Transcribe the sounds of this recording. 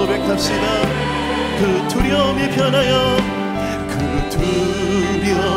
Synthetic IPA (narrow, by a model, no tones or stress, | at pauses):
obekʰap̚ɕ͈ida | kɯtʰuɾiʌmipʰjʌnajo | kɯtʰu | ɾjʌ